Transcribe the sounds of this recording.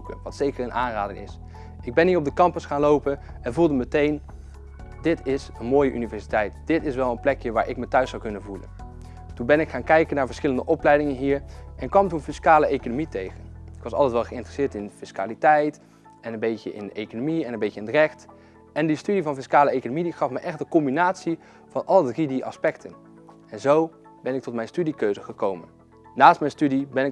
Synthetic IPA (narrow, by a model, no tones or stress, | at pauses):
kəʋɑtsejkəɹənaːnraːdɪŋɪ̰s | ɪɡ̚bɛnɦiːɹɔb̚dəkɑmpəsχaːnlowpən | ɛnvulˠdəmətejn | dɪtɪsənmoːjəʔy̰nivɛɹsitɛjtd̥ɪtɪsʋɛlˠənplɛkjəʋaːɹʔɪkmətœɥsːɑwkɵnəvulə̰n | tunbɛnɪkχaːnkɛjkənaːɹvəɹsχɪləndəʔɔplɛjdɪŋənɦiːɹʔɛnkʋɑmtunfɪskaːləejkonomitejχənɪkʋɑsɑlˠtɛtʋɛlˠχəɪntrəsɪːɹtɪnfɪska̰ːlitɛjt | ɛnənbejcə̰ʔɪ̰ndəʔejkonomiɛnənbejcəɪndərɛxt | ɛndistydivɑnfɪskaːləejkonomidiχɑfməjʔɛχtdəkɔmbinaːtsi | v̥ɑnʔɑlˠədridiʔɑ̰spɛktʰən | ɛnzow | bɛnɪk̚tɔtmɛjnstydikøɥzəχəkowmənː | aːstmɛjnstydibɛnɪk